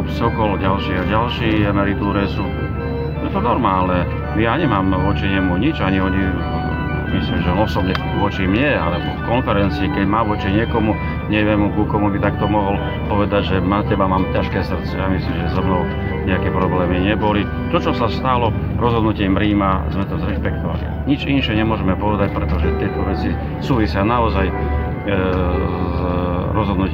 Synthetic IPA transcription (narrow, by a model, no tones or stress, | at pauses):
sɔkɔlɟalʃiːaɟalʃiːanaɾit̪uːɾɛsuː | jɛt̪ɔnɔɾmaːlnɛ | mijaɲɛmaːmʋɔt͡ʃiɲɛmuɲit͡ʃaɲiɔɲi | mislimʒɛɔnɔsɔbɲɛ | ʋɔt͡ʃimɲɛa̰lɛbɔ̰kɔnfɛɾɛnt͡siikɛɟmaːʋʊɔt͡ʃiɲɪɛkɔmu | ɲɛʋɪɛmkukɔmubit̪ak̚t̪ɔmɔɦɔl | pɔʋɛd̪aɟʒɛmacɛbamaːmcaʃkɛːsr̩t̪t͡sɛjamislimʒɛzɔmnɔʊ | ɲɛakɛːpɾɔblɛːmiɲɛbɔli | t̪ɔt͡ʃɔsast̪alɔ | ɾɔzɦɔd̪nucɛmpɾiːmazmɛt̪ɔzɾɛʃpɛk̚t̪ɔʋa̰lḭa̰ɲit͡ʃinʃɛɲɛmʊɔʒɛmɛpɔʋɛd̪ac̚pɾɛt̪ɔʒɛt̪ɪɛt̪ɔʋɛt͡si | suːʋisɪanaɔzaj | zɾɔzɦɔd̪nuc